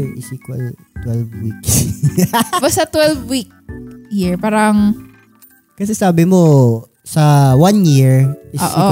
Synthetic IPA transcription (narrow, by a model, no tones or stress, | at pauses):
ŋʔɪsikwɐ̰l | t̪wɛlvwiks | bast̪ɐt̪wɛlvwik̚jiɹpaːɾɐŋ | kɐsɛsaːbɪmo | sɐwanjiɹʔɪʔoːsʔʔi